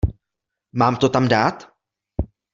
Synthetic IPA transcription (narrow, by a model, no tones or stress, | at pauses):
maːmt̪ot̪amdaːt̪